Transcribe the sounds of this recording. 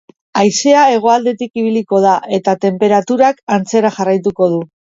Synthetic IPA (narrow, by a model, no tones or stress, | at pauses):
ajse̞ae̞ɣ̞o̞ald̪e̞t̪ikiβ̞iliko̞ð̞aʔe̞t̪at̪e̞mpe̞ɾat̪uɾakant͡se̞ɾaʝarajt̪uko̞ð̞u